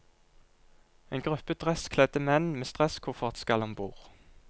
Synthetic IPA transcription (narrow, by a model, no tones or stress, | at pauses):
eːnɡʁʉpəd̪̥ʁɛskʰlɛd̪əmɛnmeːst̪ʁɛskʰʊʁfɔʁt̪skɑlhɑmbuːʁ